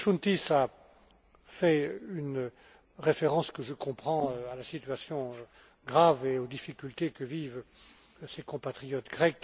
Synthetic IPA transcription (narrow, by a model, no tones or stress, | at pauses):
ʃunt̪isa | fɛyn | ʁefeʁɑ̃skəʒəkɔ̃pχɑ̃øalasit̪ɥasjɔ̃ø | ɡʁaveod̪ifikʲylt̪ekəviv | sekɔ̃pat̪χijɔt̪ɡʁɛk